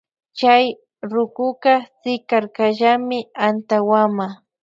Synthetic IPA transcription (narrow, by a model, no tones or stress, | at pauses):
t͡ʃaj | ɾʊkʊkɑsɪkaɾkaʒamɪant̪awama